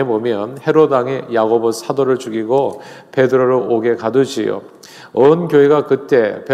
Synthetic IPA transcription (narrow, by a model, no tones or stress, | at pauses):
ebomjʌnhe̞ɾodaŋejaɡobosʰadoɾɯɭt͡ɕuɡiɡope̞dɯɾoɾooɡe̞kadɯd͡ʑijo̰ | ʌnkjoɦeɡakɯt͈e̞pe